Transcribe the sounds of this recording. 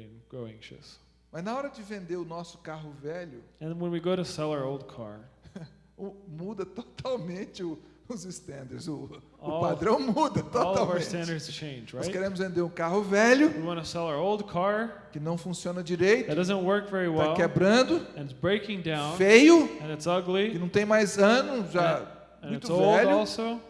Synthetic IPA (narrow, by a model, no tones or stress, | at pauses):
ɡ̥ɹoʊæ̃ŋʃɨ̰s | mɐznɐɔɾɐd͡ʒɪvẽnd̪eɾʊnɔsʊ̥kaɦʊvɛlʊɨ̃nwə̃nwiɡoʊɾɨsɛlˠaoʊlˠd̚kʰɑ̰ɹ | ʊmud̪ɐt̪ɔt̪ʰawmẽt͡ʃɪʊ | ʊzɪst̪ɐ̃nd̪eɾzʊ | ʊpad̪ɾɐ̃w̃mud̪ɐt̪ɔlˠawẽstɛ̃ndə˞z̥t͡ʃʰẽɪ̃nd͡ʒɹaɪskeɾẽmʊzvẽnd̪eɾũkaɦʊvɛljʊwiwɑ̃nɨsɛlˠə˞oʊlˠd̚kʰɑɹ | kɪnɐ̃w̃fũsiõnɐd͡ʒiɾejt̪ʊd̥ʌzə̃ntwɜ˞kvɛɹiwɛalˠkɛbɾɐ̃nd̪ʊɨ̃nɪtsbɹeɪkɪ̃ŋdãʊ̃nfejʊɨ̃nɨtsʌɡlikɪnɐ̃w̃t̪ẽj̃majzɐ̃nʊʒa | m̃nũjt̪ʊsvolˠɛldʊɔlˠsoʊ